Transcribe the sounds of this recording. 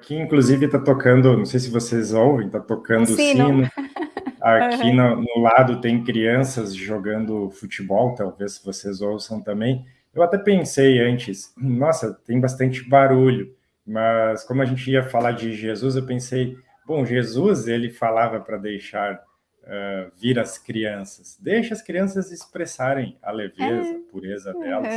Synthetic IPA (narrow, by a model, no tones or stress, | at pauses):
akiĩkluzivɪt̪at̪okɐ̃nd̪ʊnɐ̃w̃sejsɪvosezowvẽj̃t̪at̪okɐ̃nd̪ʊsĩn | akʰinʊnʊlad̪ʊt̪ẽj̃kɾiɐ̃sɐzʒoɡɐ̃nd̪ʊfut͡ʃibɔwt̪awvesvosezowsɐ̃w̃t̪ɐ̃mbẽj̃ | ewat̪ɛpẽsejɐ̃nt͡ʃɪsnɔsɐt̪ẽj̃bas̬t̪ɐ̃nt͡ʃɪbaɾuʎʊ | mɐskõmʊɐʒẽnt͡ʃɪiɐfalaɾd͡ʒɪʒezuzewpẽsej | b̥õw̃ʒezuzelɪfalavɐpɾɐd̪ejʃaɾ | ɛviɾɐskɾiɐ̃sɐsd̪ejʃɐskɾiɐ̃sɐzɪspɾesaɾẽj̃ɐ̰levezɐpuɾezɐd̪ɛlɐs